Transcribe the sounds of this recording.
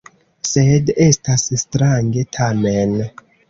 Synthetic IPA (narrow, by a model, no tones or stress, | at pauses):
sede̞stasstɾaŋɡe̞tʰamen